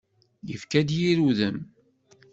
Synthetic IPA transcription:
jəfkæd̪jiɾuðəm

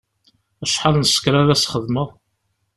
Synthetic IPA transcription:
æʃħalnəsə̥kɾaðæsχəðməʁ

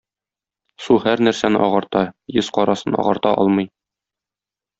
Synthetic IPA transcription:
suhæɾnæɾsænɘʔɒʁɑɾt̪ɑjɤzqɒɾɑsɤnɒ̰ʁɑɾt̪ɑʔɒ̰lˠmɤ̆j

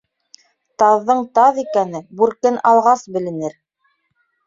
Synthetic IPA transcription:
t̪ɑðːɤɴt̪ɑðikænɘbʉɾkɘnɑlˠʁɑsbɘ̆lɘ̆nɘɾ

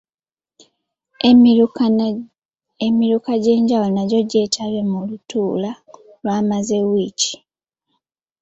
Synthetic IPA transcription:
emiɾukaɟe̞ːɲɟawulonaɟo̞ɟe̞ːtʰaβe̞mulutuːla | lwaːmaze̞wici̥

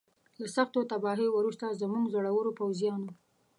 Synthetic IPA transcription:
lasaxt̪ot̪abɑɦiwuɾust̪azəmuŋɡzoɽawəɾopawzijɑno

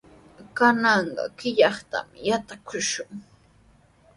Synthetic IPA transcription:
kanɑɴɢɑ̰kɪʎɑχt̪a̰mɪjat̪akʊʃʊŋ

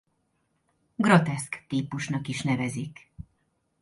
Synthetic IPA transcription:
ɡrot̪ɛskt̪iːpuʃnɒkiʃnɛvɛzik

